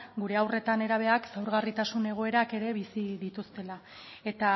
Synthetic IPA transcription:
ɡuɾe̞awre̞t̪ane̞ɾaβ̞e̞aksawɾɣarit̪asune̞ɣ̞o̞e̞ɾake̞ɾe̞βisiðit̪ust̪e̞la | e̞t̪a

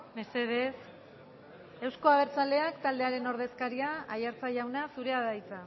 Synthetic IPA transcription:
me̞se̞ð̞e̞s | e̞wsko̞aɣ̞e̞ɾt͡sald̪e̞akt̪ald̪e̞aɾe̞no̞ɾð̞e̞skaɾiaajaɾt͡saʝawnasuɾe̞aðajt͡sa

